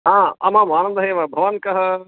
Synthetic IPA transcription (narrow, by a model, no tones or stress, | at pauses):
ɦãːɐmãːmaːñə̃nd̪əɦẽːʋɐbʱɐʋənkɐɦə